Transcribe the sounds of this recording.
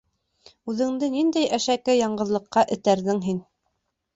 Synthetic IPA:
ʉðɘ̆ŋd̪ɘnind̪æjʔæʃækɘjɑɴɢɤ̆ðlˠɤ̆qːɑʔɘ̆t̪æɾðɘŋɦin

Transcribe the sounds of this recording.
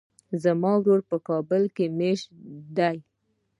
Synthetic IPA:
zamɑwɾoɾpəkɑbəlkemeʃd̪aj

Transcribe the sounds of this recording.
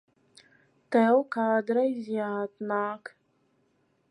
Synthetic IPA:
tʰawkaːdɾɐizjaːtʼnaːkʰʼ

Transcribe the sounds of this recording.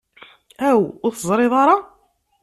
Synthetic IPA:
æwʊɾθəzˤɾˤeðˤɑɾˤɑ

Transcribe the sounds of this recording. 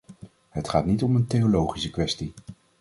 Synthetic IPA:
ɦətχaːtnitɔməntejolowχisəkʋɛsti

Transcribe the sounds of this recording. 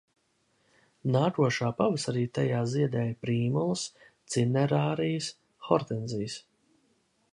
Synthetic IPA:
naːkuɔʃaːpavəsaɾiːt̪ajaːziɛd̪ɛːjpɾiːmulˠɨs | t̪sinɛɾaːɾijəs | xɔɾt̪ɛnzijs

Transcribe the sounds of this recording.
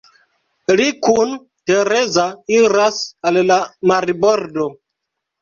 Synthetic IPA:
likun | teɾezaiɾasallamaɾiboɾdo

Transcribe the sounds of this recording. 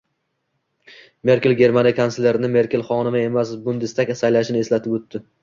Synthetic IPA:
me̞ɾkʲelɡʲe̞ɾmanijkʰanselʲe̞ɾnɪme̞ɾkʲelˠχɒnɪmae̞masbʊnd̪ɪst̪akʲsajlaʃɪnɪe̞slat̪ʰɪpot̪ːɪ

